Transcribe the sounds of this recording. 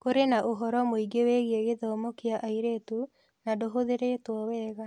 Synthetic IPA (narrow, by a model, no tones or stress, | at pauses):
koɾenaʔoɦɔɾɔmoiɡeweɣieɣeðɔːmɔkeaʔaiɾetu | nadoɦoðeɾetwɔwɛːɣa